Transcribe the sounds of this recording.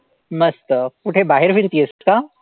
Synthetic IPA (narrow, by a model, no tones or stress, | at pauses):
mɐst̪əuʈʰebaːɦɪɾfiɾt̪iɦesɐʈkaː